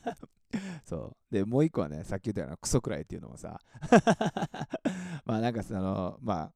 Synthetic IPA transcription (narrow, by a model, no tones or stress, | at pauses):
so̞̰ːd̪e̞mo̞ːikːo̞a̰ne̞̰sakʲiɨt̪ːeaɾ̰nkɯ̟̥so̞kɯ̟ɾa̰it̪ːeiɯ̟no̰osa̰ | maːnãŋkasonomaː